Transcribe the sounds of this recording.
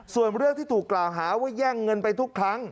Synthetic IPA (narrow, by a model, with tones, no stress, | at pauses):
su˨˩ənɾɯ˥˩əŋt̪ʰiː˥˩t̪ʰuː˨˩kːlaː˨˩wɦaː˩˦wa˦˥˩jɛː˥˩ŋːɤ˧npa˧jt̪ʰu˦˥kʰɾa˦˥ŋ